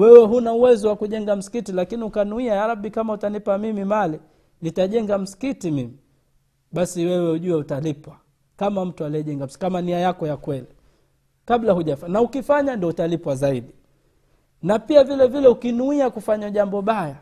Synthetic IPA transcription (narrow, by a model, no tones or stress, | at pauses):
wɛwɛɦunauwɛzɔwakuʄɛŋɡam̩si̥kitilakiniukanuiajaɾaɓikamautanipamimimali | nitaʄɛŋɡam̩si̥kitimimi | ɓasiwɛwɛuʄuɛutalipwa | kamam̩tualiɛʄɛŋɡaskamaniajakɔjakwɛli | kaɓlahuʄafanaukifaɲandiɔutalipwazaiɗi | napiavilɛvilɛukinuiakufaɲaʄambɔɓaja